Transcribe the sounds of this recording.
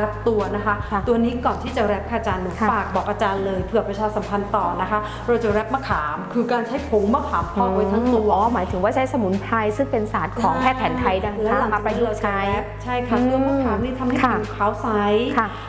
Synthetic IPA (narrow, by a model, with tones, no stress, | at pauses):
ɛ˦˥p̚t̪u˧ɐna˦˥kʰa˦˥˩t̪u˧ɐniː˦˥kɔː˨˩nt̪ʰiː˥˩t͡ɕa˨˩ɾɛ˦˥p̚kʰːʔt͡ɕaː˧nːɯ˩˦˥paː˨˩k̚bɔː˨˩k̚ʔaː˧t͡ɕaː˧nlɤː˧jpʰɯ˨˩əpɾa˧t͡ɕʰaː˧sa˨˩˦mpʰa˧nt̪ɔː˨˩na˦˥kʰa˦˥ | ɾa˧wt͡ɕa˨˩ɾɛ˦˥p̚maː˧˩kʰaː˩˦mkʰɯː˧kaː˧nt͡ɕʰa˦˥jpʰo˩˦ŋmaː˧˩kʰaː˩˦mpʰɔː˧wa˧tʰa˦˥ŋt̪u˧ɐmaː˩˦jt̪ʰɯ˨˩˦ŋwaː˥˩t͡ɕʰa˦˥jsa˧mu˩˦npʰa˧jsɯ˥˩ŋpe˧nsaː˨˩t̪̚kʰɔː˩˦ŋkʰɛː˥˩pʰɛː˩˦nt̪ʰa˧jda˧ŋʰ˧aː˧˦˥maː˧pa˧jt͡ɕʰa˧˦˥jɛ˦˥p̚t͡ɕʰa˥˩jkʰa˧˥˩ɯ˥˩əŋma˥kaː˨˦mniː˥˩t̪ʰa˧mha˥˩a˧˥˩kʰaː˦˥wsa˦˥jkʰa˥˩